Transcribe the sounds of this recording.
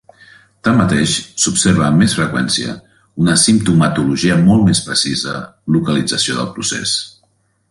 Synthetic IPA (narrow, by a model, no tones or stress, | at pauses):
t̪amːət̪eʃsupseɾβəːmːesfɾəkwɛnsiə̰ | unəsimpt̪umət̪uluʒiəmɔlˠmespɾəsizəlukəlid͡zəsioðəlˠpɾusḛs